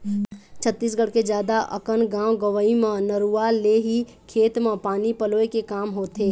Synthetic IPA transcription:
t͡ʃʰət̪ːiːs̬ɡəɽked͡ʒjaːd̪aʔə̰kənɡãːwɡəʋəimə̃nəɾuːaleːɦi | kʰeːt̪mə̃paːnipəloːekekaːmɦoːt̪eː

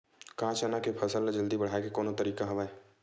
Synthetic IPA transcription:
kãːt͡ʃanakepʰɐsəlːd͡ʒɐld̪ibɐɽ̤aːekekoːnõt̪ɐɾiːkaɦɐʋaːe

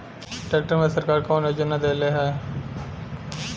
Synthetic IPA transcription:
ʈɛːkʈəɾmẽsəɾkaːɾkoːnɦɛd͡ʒonad̪eːleːɦɛː

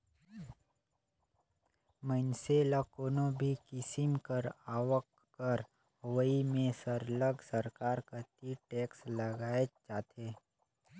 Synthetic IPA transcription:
mənselakoːnõbʱikɪsɪmkəɾaːwəkː | əɾ | ɦwəimẽsəɾləɡsəɾkaːɾkət̪iʈeːksləɡaːet͡ʃaːt̪ʰeː

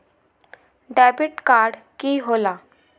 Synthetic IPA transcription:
ɖɛːbɪʈkaːɾɖ | kiɦoːlaː

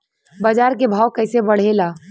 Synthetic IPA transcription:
bad͡ʒaːɾkebʱaːwkəːsebəɽ̤elaː

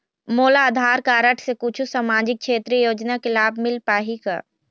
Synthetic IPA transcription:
moːlaəd̪ʱaːɾkaːɾəʈʰsekut͡ʃʰusaːmaːd͡ʒɪk̚kʰːʃʰeːt̪ɾijoːd͡ʒnakelaːbʱmɪlpaːɦika̰ː

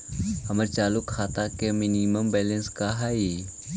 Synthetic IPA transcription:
həməɾt͡ʃaːlukʰːaːt̪akeminiməmbɛlənskaɦai

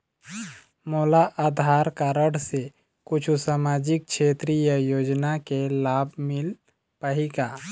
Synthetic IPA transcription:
moːlaʔaːd̪ʱaːɾkaːɾəɽse | kʊt͡ʃʰusaːmaːd͡ʒɪk̚ʃeːt̪ɾijəjoːd͡ʒnakelaːbʱmɪl | pəɦikaː

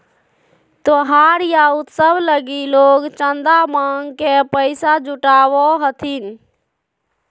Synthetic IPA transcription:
t̪oɦaɾjaut̪səbʱləɡiloɡt͡ʃənd̪amaŋɡkepəɪsad͡ʒuʈaʋɔɦət̪ʰin

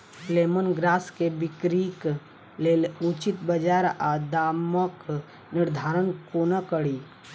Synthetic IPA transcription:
leːmənɡɾaːskebɪkɾik | lelut͡ʃit̪bəd͡ʒaːɾad̪aːmək | nɪɾd̪ʱaːɾənkoːnəkəɽiː

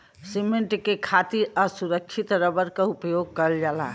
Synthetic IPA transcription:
simeɳʈkekʰat̪iɾəsuɾək̚t͡ʃʰit̪ɾəbəɾkaupjoɡ̚kəld͡ʒala̰ɦ

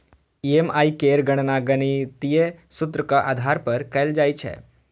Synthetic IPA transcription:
iemaikeɾɡəɽ̃naɡənit̪ijesut̪ɾəkəʔad̪ʱaɾpəɾkɛjld͡ʒajt͡ɕʰɛ̰

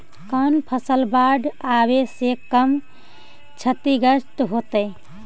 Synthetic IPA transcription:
kənpʰəsəlbaɖabesekəm | t͡ʃʰət̪iɡəst̪ɦot̪əj

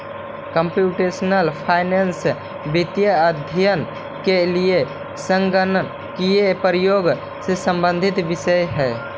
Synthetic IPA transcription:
kəmpjuʈesnəlpʰaɪnens | bit̪jəəd̪ʱjən | kelie | sə̃ŋɡən | kiepɾijoːɡ | sesə̃mbə̃nd̪ʱit̪ʋɪʃəjɦɛː

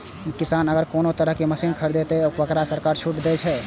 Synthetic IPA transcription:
kisanəɡəɾkonot̪əɾəɦkeməsinkʰəɾd̪et̪ɛobəkɾasəɾkaɾt͡ʃʰuʈd̪ɛt͡ʃʰɛ

